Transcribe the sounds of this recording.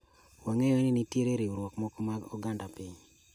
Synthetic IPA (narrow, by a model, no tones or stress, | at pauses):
waŋejɔeninitjeɾeɾiuɾwɔkmɔkɔmaɔɡandapɪɲ